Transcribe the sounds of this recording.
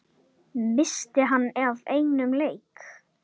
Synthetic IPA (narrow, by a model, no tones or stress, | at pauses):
mɪst̪ɪɦanːɛvejnʏmleːjk